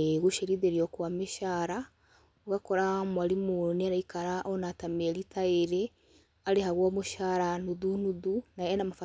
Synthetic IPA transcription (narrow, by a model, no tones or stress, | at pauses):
ɣuʃeɾiðeɾiokwamiʃaːɾa | oɡakoɾamwalimuniaɾaikaɾaʔonatameɾitʰaeɾe | aɾeɦaɣwomuʃaːɾanuðunuðunajenamafa